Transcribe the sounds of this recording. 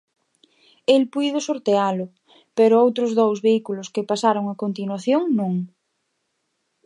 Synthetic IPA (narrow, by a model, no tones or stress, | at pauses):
elpujðosoɾt̪ealʊ | peɾʊowt̪ɾʊzðowzβeikulʊskepasaɾoŋakont̪inwaθjoŋnũŋ